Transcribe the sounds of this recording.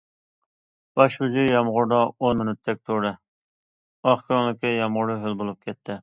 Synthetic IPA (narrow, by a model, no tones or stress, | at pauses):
b̥ɑʃud͡ʒyjɑmʁʊɾd̪ɑonmɪnyt̪ʰːɛk̚ʲt̪ʰoɾɪ | ɑχkʰɾoŋlɪkʲɪjɑmʁʊɾɨɦølbolˠup̚kʲʰɛt̪ʰːɪ